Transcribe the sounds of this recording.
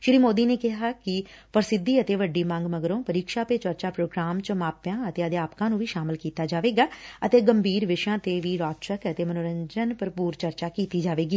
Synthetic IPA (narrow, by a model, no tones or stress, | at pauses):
ʃɪɾiːmoːd̪iːneːkɪɦaːkɪ | pəɾsɪd̪iːət̪eːʋəɖiːmə̃ŋɡməɡɾõːpəɾiːkʃaːpeːt͡ʃəɾt͡ʃaːpɾoːɡɾaːmt͡ʃəmaːpjãːət̪eːəd̪eaːpkãːnũːʋiːʃaːmɪlkiːt̪aːd͡ʒaːʋeːɡaːət̪eːɡəmbʱiːɾʋɪʃjãːt̪eːʋiːɾaːt̪t͡ʃəkət̪eːmənoːɾəɲd͡ʒənpəɾpuːɾt͡ʃəɾt͡ʃaːkiːt̪iːd͡ʒaːʋeːɡiː